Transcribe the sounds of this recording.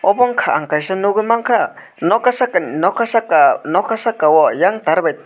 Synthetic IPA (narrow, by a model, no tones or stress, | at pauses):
oboŋkʰaʔaŋkajʃanuɡimaŋkʰa | nokasakannokasakanokasakawojaŋt̪aɾbet̪̚